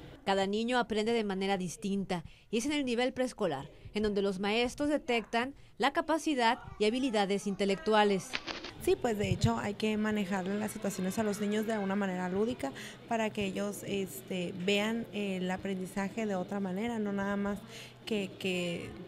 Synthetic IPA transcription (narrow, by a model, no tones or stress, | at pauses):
kaðanĩɲo̞apɾend̪e̞ðemane̞ɾaðist̪int̪ajies̬ene̞lniβ̞e̞lpɾe̞sko̞la̰ɾend̪o̞nd̪e̞lo̞zmae̞st̪ɾo̞zðe̞t̪e̞kt̪an | lakapasiðaðiaβiliðaðe̞sint̪e̞lek̚t̪wale̞ssipwe̞zðeet͡ʃo̞a̰jke̞mane̞xaɾlelasːit̪wasjo̞nesaloznĩɲozðealɣunamãne̞ɾaluðika | paɾakeeʝo̞sest̪ebeanelapɾe̞nd̪isaxe̞ðe̞ot̪ɾamane̞ɾano̞naðamas | keke